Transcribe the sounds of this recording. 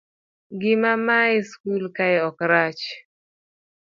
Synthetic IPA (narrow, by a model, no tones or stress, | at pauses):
ɡɪmamaiskulkaɪɔkɾat͡ʃ